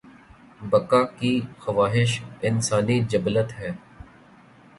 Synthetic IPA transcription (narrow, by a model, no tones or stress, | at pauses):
bɐkaːkixɐʋaːɦɪʃɪnsaːnid͡ʒɐblət̪ɦɛː